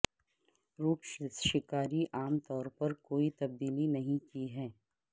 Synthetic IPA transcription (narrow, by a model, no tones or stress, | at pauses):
ɾuːkʃɪkaːɾiʔaːmt̪ɔːɾpɐɾkoːit̪ɐb̚d̪iːlinɐɦĩkiɦɛː